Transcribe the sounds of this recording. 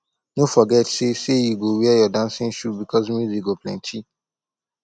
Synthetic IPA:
nofɔɡɛtsesejuɡowɛɛjɔdãnsɪ̃nʃupbikʰɔzmjuzik̚ɡoplɛ̰̃ntʰi

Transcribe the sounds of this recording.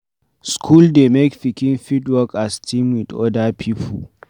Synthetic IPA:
skʰuldemekfɪkʲɪnfitwɔkastʰimwɪdɔ̰dapʰipʰɔ̰

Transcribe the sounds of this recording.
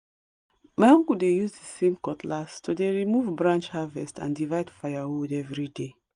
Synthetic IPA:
maɔ̃ŋɡudejuzdesẽmkɔtʰlastodeɹimuvbɹãnt͡ʃhavɛstã̰ndivaɪdfajawudɛvɹide

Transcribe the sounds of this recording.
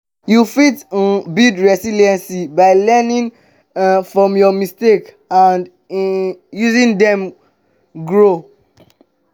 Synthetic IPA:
jufitbidɹɛsiliɛ̃nsibaɪlɛnĩn | fɹɔ̃mjɔmistek | ãnd | juzĩndɛ̃m | ɡɹo

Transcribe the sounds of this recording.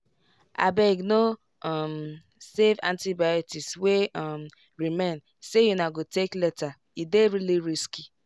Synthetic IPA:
a̰bɛɡno | ɔm | sevã̰ntibajotisswem | ɹimẽn | sejunaɡoteklɛta | ideɹiliɾiski

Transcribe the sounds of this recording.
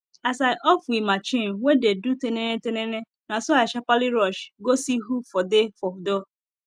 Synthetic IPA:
asaɪʔɔfwimat͡ʃinwededutenenetenene | nasɔaaʃapaliɾɔʃɡosiɦufɔdefɔdo

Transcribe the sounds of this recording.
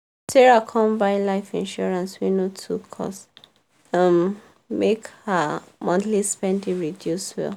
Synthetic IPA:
tɛɹakʰɔ̃mbãɪ̃laɪfĩnʃɔɹãnswinotʰukʰɔ̰s | ãn | mekhamɔ̃nθlispɛ̃ndĩɹidjuswɛ̰l

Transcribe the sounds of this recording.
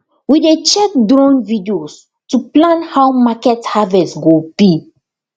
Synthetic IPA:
widet͡ʃɛk̚dɹɔ̃nvidios | tuplãnhawmakɛthavɛstɡobi

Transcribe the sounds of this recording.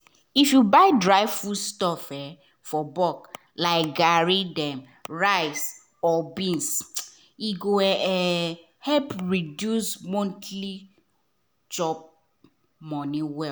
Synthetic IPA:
ifjubaɪdɹaɪvfudstɔfɛ | fɔbɔk | laɪk̚ɡaɹidɛ̃m | ɹaɪs | ɔbĩns | iɡoɛɛ | hɛpɹidjusmõntʰli | d͡ʒɔp̚ | mɔniwɛ

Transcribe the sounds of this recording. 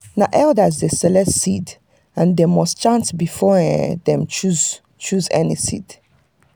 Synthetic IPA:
naʔɛldazdesɛlɛdsid | ãndemɔst͡ʃãnsbifɔdɛ̃mt͡ʃuz | t͡ʃuzɛ̰nisḭd̥

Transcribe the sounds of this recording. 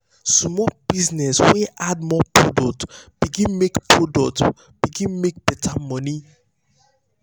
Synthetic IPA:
sɔmɔb̥iznɛsweʔad̚mɔpɹodɔk̚tb̥iɡĩnmekpɹodɔk̚t | b̥iɡĩnmek̚b̥ɛtʰamɔni

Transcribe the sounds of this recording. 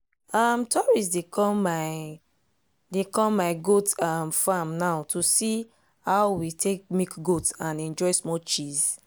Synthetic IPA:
amtʰɔɹis̬dekʰɔ̃mːaɪ | dekɔ̃mːaɪɡotamfãmnaʊtʰusi | hawwitʰek̚mikɡotãnɛ̃nd͡ʒɔɪsmɔt͡ʃiz

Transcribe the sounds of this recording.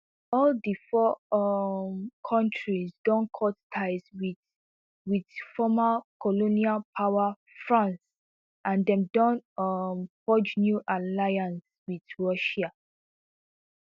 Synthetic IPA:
ɔldifɔ | mkʰɔ̃ntʰɹizdɔ̃nkʰɔttʰaɪzwi | widfɔmalkʰɔlonialpʰawa | fɹãns | ʔãndɛ̃mdɔ̃nʌmpɔd͡ʒnjuʔalajãns | widɹɔʃa

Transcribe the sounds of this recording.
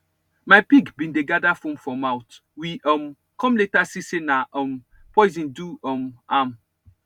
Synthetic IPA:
majpiɡbĩndeɡadafɔ̃mfɔ̃mawt | wiɔm | kɔ̃mletasisenaɔm | pɔjzĩnduɔmam

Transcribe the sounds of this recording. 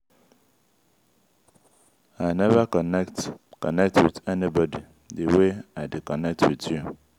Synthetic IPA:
aɪnɛvakɔnɛktkɔnɛk̚tʰwḭdɛnibɔdi | deweaɪdekɔnɛk̚twidju

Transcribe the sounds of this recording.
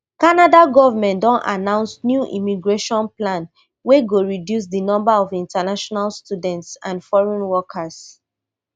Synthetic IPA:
kanadaɡɔvamɛ̃ndɔ̃nʔa̰nãʊ̃nsnjuʔḭmiɡɹeʃɔ̃nplãn | weɡoɹidjus̬dənɔ̃mbaɔvĩntanaʃɔnalstjudɛ̃ntsãnfɔɹɔ̃nwɔkʰas

